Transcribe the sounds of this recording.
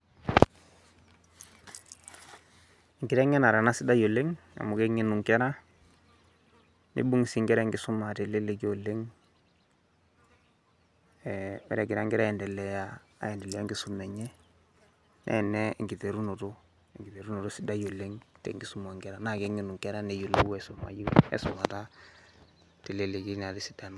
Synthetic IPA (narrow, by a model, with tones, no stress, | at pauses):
ŋɡɪ˨ɾɛ˦ŋɛ˦na˨ɾa˨na˦sɪ˦da˦jo˨le˦ŋa̰˨mu˨kɛ˦ŋi˦nu˨ŋkɛ˦ɾa˦ | nḭ˦bu˦ŋ˨si˨ŋɡɛ˦ɾɛ˦ŋɡɪ˦su˦ma˨te˨le˦le˨˦ko˨le˦ŋ | ɛmɛ̰˦ɾɛ˨ɡɪ˨ɾa˦ŋɡɛ˦ɾa˦ɛ˨ndɛ˨lɛ˨ja˨ | a̰˨ɛ˨ndɛ˨lɛ˨ja˦ŋɡɪ˦su˨mɛ˨ɲɛ˦ | nʔɛ̰˨nɛ˦ŋɡi˨te˨ɾu˦no˨to˦˨ | ŋɡi˨te˨ɾu˦no˨ɾo˦si˦da˦jo˨le˦ŋtɛ̰˨ŋɡi˦su˦mo˨ŋɡɛ˨ɾa˦na˨ke˦ŋi˨nu˨ŋkɛ˦ɾa˦nɛ˨ju˨lo˦wɛ˨sʊ˨ma̰˨ji˦ɛ̰˨sʊ˨ma˨ta˦ | te˨le˦le˨ki˦na˨ti˨si̥˦da˨m˦